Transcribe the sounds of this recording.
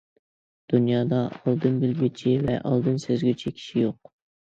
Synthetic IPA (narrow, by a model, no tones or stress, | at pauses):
d̪̥unjɑːd̪ɑɑlˠd̪ɨnbɪlɡʲyt͡ʃʰivɛ̰ʔɑ̰lˠd̪ɨnsøzɡʲyt͡ʃʰikʲʰi̥ʃijoq̚